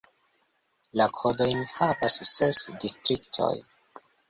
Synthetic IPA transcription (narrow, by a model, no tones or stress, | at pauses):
lakʰo̞do̞jnhavasːesdistɾiktʰo̞̰j